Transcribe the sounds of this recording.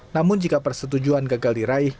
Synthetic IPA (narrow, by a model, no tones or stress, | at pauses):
namʊnd͡ʒikapərsət̪̬ud͡ʒuankaɡaldiɾaɪh